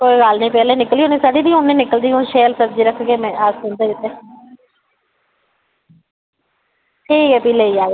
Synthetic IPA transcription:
koːiɡalnĩːpɛːleːnɪkliːɦoniːsaːɖiːd̪iːʊnːĩːnɪkəld̪iːɦʊ̃nʃeːlsəb̚d͡ʒiːɾəkʰːɡeːmɛ̃ːaːsʊ̃nd̪eːʊt̪ːeː | ʈʰiːkɛːpiːleːiːaːɡeː

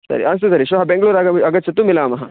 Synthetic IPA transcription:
sɐ̰ɾḭʔɐnst̪usɐɾiʃɐɦɐbeŋɡɐɭuːɾaːɡɐɐɡɐt̪ːt͡ʃʰɐt̪ːumilaːmɐɦɐ

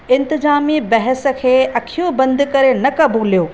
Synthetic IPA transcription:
ɪ̃nt̪ɪzaːmibɐɦəsə̆kʰeːʔɐkʰijõbɐ̃nd̪ʊkɐɾenɐkɐbʱuːlijoː

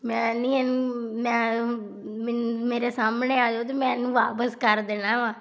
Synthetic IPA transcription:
mɛ̃ːnĩːɛnũːmɛ̃ː | mmeːɾeːsaːmneːaːd͡ʒoːt̪̬eːmɛ̃ːnũːʋaːpəskəɾd̪eːnãːʋãː

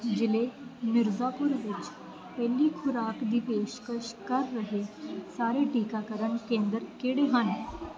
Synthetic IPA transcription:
d͡ʑilemiɾd͡zapuɾʋid͡ʑ | pɛlːiːkʰuɾakd̪ipeɕkəɕkəɾːəɦesaɾeʈikakəɾəɳkẽnd̪əɾkeɽeɦane

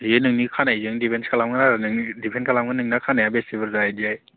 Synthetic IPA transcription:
jenɯŋnikʰanajzɯŋdipʰenskʰalamɡɯnaɾanɯŋidipʰenkʰalamɡɯnɯŋnakʰanajabesibiɾzajdiaj

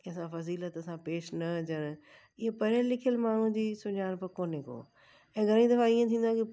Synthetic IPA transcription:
kiɐsãfɐziːlət̪ɐsãpeːʃnɐd͡ʑəɽ̃ | ɪɦepɐɾəllɪkʰijəlmaːɳ̤ũd͡ʑiːsʊɲaːɽ̃pɪkoːneko̰ː | ɛ̃ːɡʱɐɾ̃ĩd̪ɐfãiːə̃t̪ʰĩːnd̪ãki

